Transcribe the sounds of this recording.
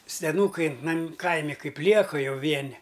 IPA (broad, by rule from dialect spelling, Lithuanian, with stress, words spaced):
sʲɛˈnuːkɐɪ nɐm ˈkɐɪmʲɪ ˈkɐɪp ˈlʲiɛkɐ ˈjɛʊ ˈʋʲiɛnʲɪ